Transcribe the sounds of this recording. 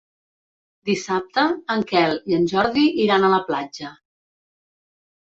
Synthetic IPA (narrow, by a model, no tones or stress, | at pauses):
d̪isap̚t̪əːŋkɛlˠiənʲʒɔɾðiʔiɾanələplad͡ʒə